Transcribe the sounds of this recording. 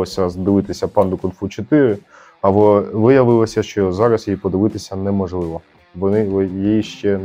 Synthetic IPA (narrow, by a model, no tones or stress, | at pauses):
ɔsʲɐzd̪ɪʋɪt̪ɪsʲɐpɑnd̪ʊkɔnfut͡ʃɔt̪ɪɾɪ | ɐbɔʋɪjɐʋɪlˠɔsʲɐʃt͡ʃɔjɔɦɔzɑɾɐsipɔd̪ɪʋɪt̪ɪsʲɐnɛmɔʒlˠɪʋɔ | ʋɔnɪjiiʃt͡ʃɛ